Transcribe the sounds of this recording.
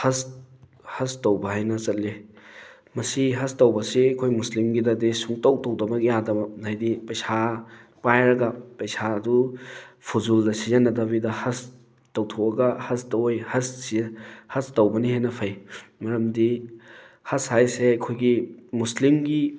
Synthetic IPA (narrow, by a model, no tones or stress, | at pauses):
hɐs | hɐstowbɐhajnɐsɐtli | mɐsiɦɐstɐwbɐsiɐkʰojmuslimɡidɐdesuŋtɐwtɐwdɐbɐɡijadɐbɐajdipɐjsapajɾɐɡɐpɐjsaɐdupʰuzuldɐsizɐnːɐdɐbidɐhɐs | tɐwtʰowɐɡɐhɐstɐwjhɐssihɐstɐwbɐniɦajnɐpʰɐjmɐɾɐmdi | hɐshajseɐkʰojɡimuslimɡi